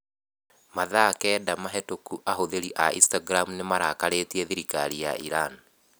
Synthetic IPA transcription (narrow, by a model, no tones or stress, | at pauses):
maðakɛːdamaɦɛtokuʔaɦoðeɾiʔaḭ̃staɡɾamunemaɾakaɾetiɛðiɾika̰ɾija̰ʔiɾan